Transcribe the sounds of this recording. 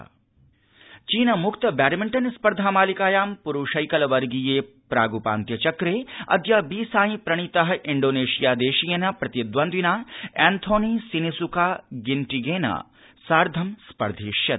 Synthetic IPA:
t͡ʃiːnɐmukt̪ɐbaːɾimiɳʈɐnspɐɾd̪ʱaːmaːlikaːjaːmpuɾuːʃɐjkɐlɐʋɐɾɡijeː | pɾaːɡupa̰ːnt̪jɐt͡ʃɐkɾeːɐ̰d̪jaːbiːsaːjĩpɾɐɳ̃it̪ɐɦɐiɳɖoːneːʃijaːd̪eːʃijɐnɐpɾɐt̪jɐd̪ʋɐnd̪inaːɛːnt̪ʰoːniːsinisukaːɡiɳʈiɡeːnɐ̰ | saːɾd̪ʱɐmspɐ̰ɾd̪ʱiːʃjɐt̪̚

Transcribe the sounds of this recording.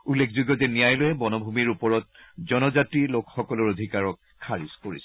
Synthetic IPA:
ulːekʰzuɡɔzɛnijajlojɛbɔnɔbʱumiɹupɔɹɔt̚zɔnɔzatɹilokxɔkɔlɔɹodʱikaɹɔkʰːaɹiskoɹisɛ̥

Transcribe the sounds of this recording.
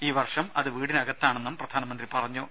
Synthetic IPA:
iːʋɐrʂɐmɐðɨʋiːɽinɐɣɐt̪ːaːɳenːɐmprɐd̪ʱaːnɐmɐnd̪ripɐrɐɲːu

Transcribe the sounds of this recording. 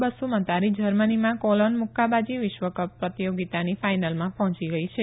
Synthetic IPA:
bəsumə̃t̪aɾid͡ʒəɾmənimãkolonmukːabad͡ʒiʋɪʃʋəkəpːɾət̪ijoɡit̪anifajnalmãpɔɦɔ̃t͡ʃiɡəit͡ʃʰe

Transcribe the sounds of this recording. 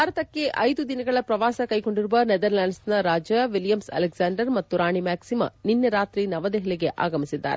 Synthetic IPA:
bʱaːɾɐt̪ɐkːe̞ʔɐjd̪ud̪inɐɡɐɭɐpɾɐʋaːsɐkɐjko̞ɳɖiɾuʋɐnɛd̪ɐɾlaːnsnɐɾaːd͡ʒɐʋiljɐmsɐ̰leksaːɳɖɐɾmɐt̪ːuɾaːɳimaːksimɐ̰ninːɐɾaːt̪ɾinɐʋɐd̪eɦɛɭɛɡeʔa̰ːɡɐmisid̪ːa̰ːɾe

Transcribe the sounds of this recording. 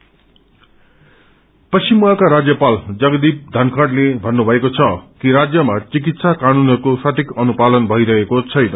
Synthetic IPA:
pʌsimuakaɾad͡zjʌpald͡zʌɡʌd̪ip̚d̪ʱʌnkʰʌɽlebʱʌnːubʱʌekot͡sʰʌkiɾad͡zjʌmat͡sik̬it̪sakanunʌɾukosaʈʰikʌnupad̪ʌnbʱʌiɾʌɦekot͡sʰʌjnʌ

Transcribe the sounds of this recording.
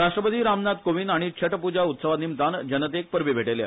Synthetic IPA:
ɾaʂʈɾəpət̪iːɾamnad̪koʋinaɽ̃it͡ɕʰəʈəpud͡ʑaut̪səʋanimt̪and͡ʑənət̪̬ek̚pəɾʋibʱeʈelja̰

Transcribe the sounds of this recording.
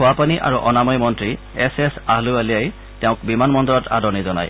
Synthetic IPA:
ʊapaniʔa̰ɹuʔɔnamɔjmɔntɹi | ɛsɛsaɦlʊalijaj | tɛʊ̃kbimanmɔndɔɹɔtʰa̰dɔɹnizɔna̰j

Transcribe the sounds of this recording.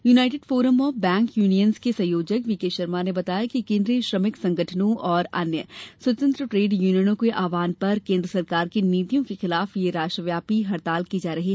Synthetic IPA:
juːnaːɪʈeːɖfoːɾəmɔːfbɛ̃ːŋkjuːnijənskesɐ̃joːd͡ʒəkʋikeːʃɐɾmanebɐt̪aːjakikẽːnd̪ɾeʃɾɐmɪksɐ̃ŋɡəʈʰənõʔɔːɾɐ̰njəswɐt̪ə̃nt̪ɾəʈɾeːɖjuːnijənõkeʔaːʋaːnpɐɾkẽːnd̪ɾəsɐɾkaːɾkiniːt̪ijõkexɪlaːfjeɾaːʃʈɾəʋjaːpiɦɐɾt̪aːlkid͡ʒaːɾɐɦiː

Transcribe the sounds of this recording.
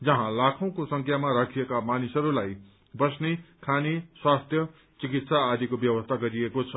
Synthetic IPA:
d͡zʌɦãlakʰʌw̃kosʌŋkʰjamaɾakʰijekamanisʌɾulaj | bʌsnekʰaneswast̪ʰjʌ | t͡sikit̪saːd̪ikobjʌwʌst̪ʰaɡʌɾiekot͡sʰʌ

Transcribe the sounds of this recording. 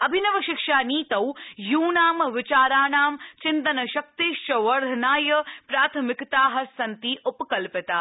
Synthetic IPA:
ɐbʱinɐʋɐʃɪkʂaːniːt̪ɐwjuːnaːmʋɪt͡ʃaːɾaːnaːmt͡ʃɪnt̪ɐnɐʃɐk̚t̪iʃt͡ʃɐʋɐɾd̪ʱɐnaːjɐpɾaːt̪ʰɐmɪkt̪aːɦɐsɐnt̪iʔupɐkɐlpɪt̪aː

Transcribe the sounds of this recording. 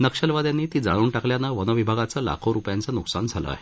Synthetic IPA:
nəkʂəlʋad̪janːiːt̪iːd͡za̰ɭuːɳʈakljanaʋənəʋibʱaɡat͡sala̰kʰoɾupjant͡sanuksand͡zʱalə̰a̰ɦe

